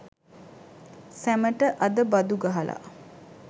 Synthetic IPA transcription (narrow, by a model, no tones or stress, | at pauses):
sæməʈəʔad̪əbad̪uɡaɦalʔa̰